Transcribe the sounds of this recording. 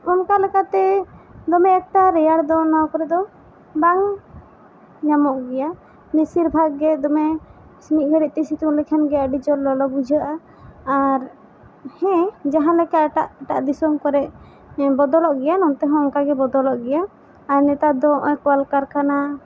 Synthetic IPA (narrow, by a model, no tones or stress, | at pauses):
ɔnkalɛkat̪ɛd̪ɔmɛɛkt̪aɾɛjaɾd̪ɔnawkɔɾɛd̪ɔ | baŋ | ɲamɔʔɡɛja | nisiɾbʱaɡːɛd̪ɔmɛ | smiʔ̚ˀɡʱəɾiʔt̪ɛsit̪ulɛkʰanɡɛəɖid͡ʒɔlːɔlɔɡud͡ʒʱəʔaː | ɾ | hɛ̃d͡ʒaɦãlɛkaɛʈaʔɛʈaʔd̪isɔmkɔɾɛʔ | bɔd̪ɔlɔʔɡɛjanɔnt̪ɛɦɛ̃ɔnkaɡɛbɔd̪ɔlɔʔɡɛjaː | ɾnɛt̪ad̪ɔ̃ʔɔkɔalkaɾkana